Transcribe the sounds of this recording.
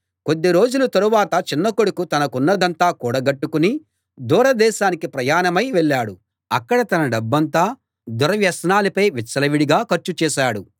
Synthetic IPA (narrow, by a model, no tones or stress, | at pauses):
ko̞d̪ːiɾo̞ːd͡ʒulut̪ɐɾuʋaːt̪ɐt͡ʃinːɐkoɽukut̪ɐnɐkunːɐd̪ɐnt̪aːkuːɽɐɡɐʈːukuni | d̪uːɾɐd̪ɛːʃaːnikipɾɐjaːnɐmɐjʋɛɭːaːɽu | ɐkːɐɽɐt̪ɐnɐɖɐbːɐnt̪aː | d̪uɾɐʋjɐsnaːlipɐjʋit͡ʃːɐlɐʋiɽiɡaːkɐɾt͡ʃut͡ʃɛːʃaːɽu